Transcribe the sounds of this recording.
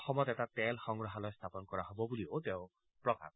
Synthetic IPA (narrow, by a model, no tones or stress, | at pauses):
xɔmɔt̪ɛtatɛlxɔŋɡɹɔɦalɔjst̪ʰapɔnkɔɹaɦobɔbulioteʊ̃ | pɹɔka̰